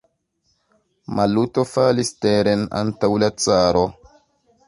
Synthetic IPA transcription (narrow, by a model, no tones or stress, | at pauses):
malutofalisteɾena̰ntawlat͡saɾo